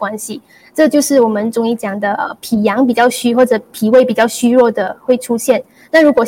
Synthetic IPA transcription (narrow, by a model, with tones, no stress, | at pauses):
wa˥nɕi˨˩ | ʈ͡ʂɤ˥˧t͡ɕjo˥˧ʊʂɻ̩˥˩wɔ˨˩mə˧˦nʈ͡ʂʊ˧˥ŋi˥˩t͡ɕjɑ˨˩ŋd̪ə˦ʔə̰˧pʰi˨˩jɑ˧˥ŋpi˨˩t͡ɕjɑ˥˩ʊɕy˥xwɔ˥˩ʈ͡ʂɤ˨˧˥pʰi˨˩we˥˩ɪpi˨˩t͡ɕjɑ˥˩ʊɕy˥ɻwɔ˥˩d̪ə˩xwe˥˩ɪʈ͡ʂʰu˥ɕjɛ˥˩n | na˥˩ɻu˥kwɔ˨˩